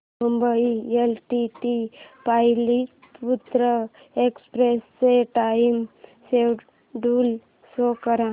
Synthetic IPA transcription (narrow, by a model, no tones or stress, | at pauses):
mumbəielʈiʈipajli | put̪ɾə | ekspɾesːeʈaimsewʈ | ɖuːl | sokəɾã